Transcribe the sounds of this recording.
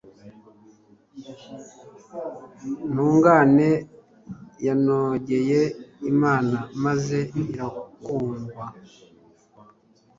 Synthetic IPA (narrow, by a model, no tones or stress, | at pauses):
n̥uːŋɡaːne̞ | janoɟe̞jeimaːnamaze̞iɾakuːŋɡwa